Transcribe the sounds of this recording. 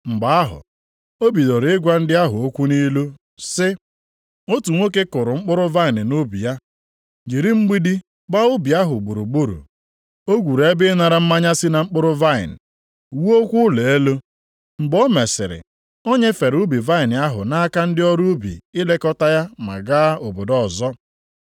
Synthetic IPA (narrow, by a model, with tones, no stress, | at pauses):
ŋ͡m̩˨ɡ͡ba˨a˦ɦʊ̰˨ | o˦bi˨do˨ɾɪ˦ɡʷa˦n̩˦dɪ˦a˦ɦʊ˨o˦kʷu˦ni˦lu˦ | sɪ˦ | o˦tu˨ŋʷo˦ke˦kʊ˨ɾʊ˨ŋ͡m̩˦k͡pʊ˦ɾʊ˦va˦ɪ˨nɪ˨nʊ˦bḭ˨ja˦ | d͡ʒi˨ɾi˦ŋ͡m̩˦ɡ͡bi˦di˦ | ɡ͡ba˦ʊ˦bi˨a˦ɦʊ˨ɡ͡bu˨ɾu˨ɡ͡bu˦ɾṵ˨ | o˦ɡʷu˨ɾe˦bɪ˦na˨ɾa˨m̩˦ma˦ɲa˦sɪ˦na˨ŋ͡m̩˦k͡pʊ˦ɾʊ˦va˦ɪ̰˨n˨ | wu˦o˦kʷu˦le˨e˦lo˦ | ŋ͡m̩˨bɔ˦me˨sɪ̰˨ɾɪ̰˨ | o˦ɲe˦fe˨ɾʊ˦bi˨va˦ɪ˨nɪ˨a˦ɦʊ̰˨na˦a˦ka˦n̩˦dɪ˦ɔ˦ɾu˦bḭ˨ɪ˦le˦kɔ˦ta˦ja˦ma̰˨ɡa˦o˨bo˨dɔ˦˨zɔ˦